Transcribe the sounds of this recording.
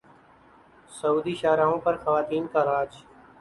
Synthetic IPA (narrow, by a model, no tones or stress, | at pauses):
səuːd̪iːʃaːɾaːɦõːpəɾxəʋaːt̪iːnkaːɾaːd͡ʒ